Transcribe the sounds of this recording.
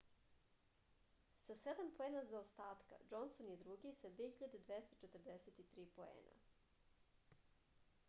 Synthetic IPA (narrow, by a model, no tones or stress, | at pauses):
sased̪ampoeːnazaost̪aːt̪ka̰d͡ʒonsonjed̪ɾuɡisad̪viexiʎad̪ed̪ʋest̪ot͡ʃet̪rd̪eset̪it̪ɾiːpoḛːna̰